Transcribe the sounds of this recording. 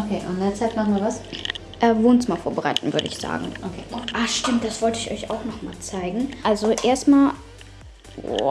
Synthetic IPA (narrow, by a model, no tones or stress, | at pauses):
ʔokʰḛːʔʊndeːɐt͡saɪtmaχnvaːɐvas | ʔɛːvoːnt͡sɪmɐfoːɐbəʁaɪtn̩vʏ̰ɐɾəɪ̰çz̥a̰ːɡŋ̩ʔokʰeːʔaʃtɪmt̚d̥asv̥ɔltəɪçɔ̰ʏçʔa̰ʊxnɔχma̰ːlt͡saɪɡŋ̩ʔalzoʔeːɐstmaːl